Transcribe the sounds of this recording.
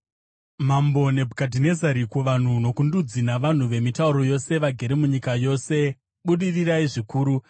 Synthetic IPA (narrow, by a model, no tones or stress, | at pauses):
mambo̞ne̞bʱukadʱine̞zaɾikuʋan̤uno̞kundud͡zinaʋan̤uʋe̞mitauɾo̞jo̞se̞ʋaɡʱe̞ɾemuɲikajo̞se̞ | ɓuɗiriraiʐikuːɾu